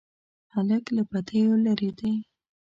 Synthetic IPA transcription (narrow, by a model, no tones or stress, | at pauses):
haləklapat̪əjolaɾed̪e